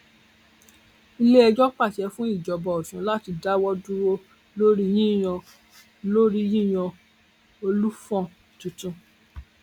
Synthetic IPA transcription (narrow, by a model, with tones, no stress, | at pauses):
i˧le˦ɛ˧d͡ʒɔ˦k͡pa˦˨t͡ʃɛ˨˦fũ˦i˦˨d͡ʒɔ˨bɔ˨ɔ˨ʃũ˨˦la˦ti˧da˦wɔ˦du˦ɾo˦ | lo˦ɾi˦j̃ĩ˦˨j̃ɔ̃˧ | lo˦ɾi˦jĩ˦˨j̃ɔ̃˧ | o˧lu˦fɔ̃˦˨tũ˨˧tũ˧